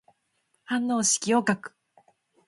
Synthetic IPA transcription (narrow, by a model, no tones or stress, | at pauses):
hãnːo̞ːɕi̥kʲiokakɯ̥